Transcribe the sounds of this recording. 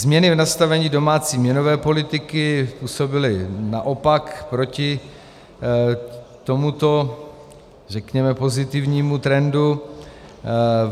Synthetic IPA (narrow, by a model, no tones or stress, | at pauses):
zmɲɛnɪvnast̪avɛɲiːdo̞maːt͡siːmɲɛno̞vɛːpo̞lɪt̪ɪkɪpuːso̞bɪlɪnaʔo̞pakpɾo̞cɪ | t̪o̞mut̪o̞ | rɛkɲɛmɛpo̞zɪt̪ɪvɲiːmut̪ɾɛndu